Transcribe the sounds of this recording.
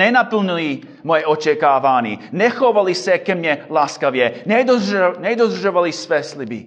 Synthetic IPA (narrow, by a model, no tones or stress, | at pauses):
ɛnapl̩nili | mɔjɛɔt͡ʃɛkaːʋanḭnɛxɔʋalisɛkɛmɲɛlaːskaʋjɛnɛdnɛd̪ɔd̪r̩ʒɔʋalisʋɛslibḭ